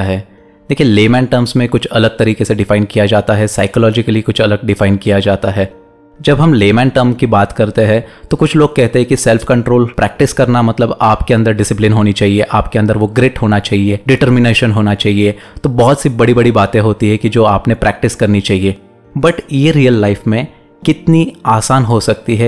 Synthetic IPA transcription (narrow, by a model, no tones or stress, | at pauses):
ɦɛː | d̪̥eːkʰijeleːmɛ̃ːɳʈəɾmsmẽkʊt͡ʃʰɐləɡ̚t̪ɐɾiːkeseɖɪfaːɪnkijad͡ʒaːt̪aɦɛsaːɪkəlɔːd͡ʒɪkəlikʊt͡ʃʰɐləɡ̚ɖɪfaːɪnkijad͡ʒaːt̪aɦɛː | d͡ʒɐbɦɐmleːmɛ̃ːɳʈəɾmkibaːt̪kɐɾt̪eɦɛ̃t̪okʊt͡ʃʰloːɡ̚kɛɦt̪eɦɛ̃kisɛlfʰkɐ̃ɳʈɾoːlpɾɛːk̚ʈɪskɐɾnamɐt̪ləbaːpkeɐ̃nd̪əɾɖɪsɪplɪnɦoːnit͡ʃaːɦieʔaːpkeɐ̃nd̪əɾʋoɡɾeːʈɦoːnat͡ʃaːɦieɖɪʈəɾmɪneːʃənɦoːnat͡ʃaːɦie | t̪obɔɦɔt̪sibɐɽibɐɽibaːt̪ẽɦoːt̪iɦɛkid͡ʒoːaːpnepɾɛːk̚ʈɪskɐɾnit͡ʃaːɦieː | bɐʈjeɾijəlːaɪfmẽ | kɪt̪niaːsaːnɦosɐk̚t̪iɦɛː